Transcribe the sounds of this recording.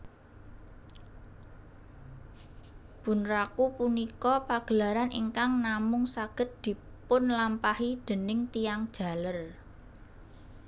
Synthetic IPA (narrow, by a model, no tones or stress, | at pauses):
b̥ṳnrakupunikɔpaɡ̥ə̤laɾanʔiŋkaŋnamʊŋsaɡ̥ə̤t̪̚d̪̥i̤ | pʊnlampahid̪̥ə̤nɪŋt̪ijaŋd̥ʒ̥ä̤lər